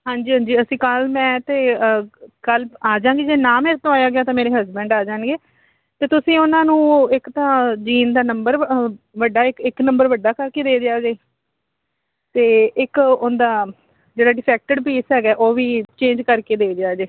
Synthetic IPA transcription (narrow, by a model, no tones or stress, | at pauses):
ɦãːɲd͡ʒiːɦãːɲd͡ʒiːəsĩːkəlmɛ̃ːt̪eː | kəlaːd͡ʒãːŋɡeːd͡ʒeːnaːmeːɾt̪õːaːjaːɡɪaːt̪ãːmeːɾeːɦəzbɛ̃ɳɖaːd͡ʒaːnɡeː | t̪eːt̪ʊsĩːʊnãːnũːɪkt̪ãːd͡ʒiːnd̪aːnəmbəɾ | ʋəɖːaːɪkɪknəmbəɾʋəɖaːkəɾkeːd̪eːd̪eaːd͡ʒeː | t̪eːɪkʊnd̪aː | d͡ʒeːɽaːɖɪpʰɛːk̚ʈəɖpiːsɦɛːɡɛːʔoːʋiːt͡ʃẽːɲd͡ʒkəɾkeːd̪eːd͡ʒ̪eaːd͡ʒeː